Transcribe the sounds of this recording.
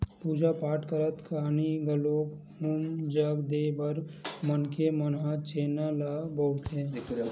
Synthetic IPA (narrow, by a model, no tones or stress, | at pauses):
puːd͡ʒapaːʈkəɾət̪kaniɡəloːk | ɦumd͡ʒəɡd̪eːbəɾmənkemənɦat͡ʃeːnalaboːʊt̪ɦɛ̃ː